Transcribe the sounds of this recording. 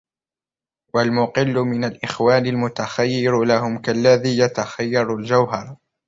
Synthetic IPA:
walmʊqɪlːʊmɪnalʔɪxwaːnɪlmʊt̪axajːɪɾlahʊmkalːaðiːjat̪axajːɑɾˤald͡ʒawɦɑɾˤ

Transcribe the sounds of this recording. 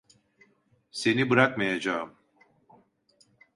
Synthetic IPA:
se̞nibɯɾakmajad͡ʒaɯm

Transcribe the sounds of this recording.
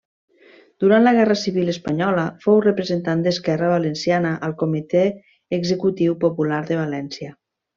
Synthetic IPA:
d̪uɾanləɣɛrəsiβiləspəɲɔləfowrəpɾəzent̪and̪əskɛrəβalənsjanəʔəlˠkomit̪eː | ɡzəkut̪iwpopulaɾðəβalɛnsjə

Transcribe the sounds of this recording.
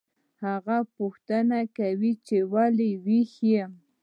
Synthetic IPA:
hɑɢɑpʊxt̪anakawɪt͡ʃewalɪwɪxja

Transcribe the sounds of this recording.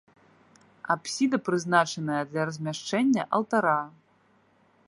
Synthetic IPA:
apsʲid̪ɐpɾɨznat͡ʂɐnɐjɐd̪lʲɐrɐzʲmʲaʂt͡ʂɛnʲːɐʔɐlˠt̪aɾa

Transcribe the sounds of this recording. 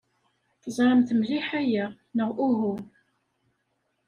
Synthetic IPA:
θəzˤɾˤəmθəmliħæjæ | nəʁʔuɦu

